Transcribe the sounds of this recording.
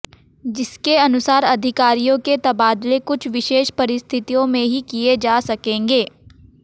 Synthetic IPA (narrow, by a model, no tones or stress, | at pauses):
d͡ʒɪskeɐnʊsaːɾɐd̪ʱɪkaːɾijõket̪ɐbaːd̪lekʊt͡ʃʰʋɪʃeːʃpɐɾɪst̪ʰɪt̪ijõmẽɦikied͡ʒaːsɐkẽːŋɡeː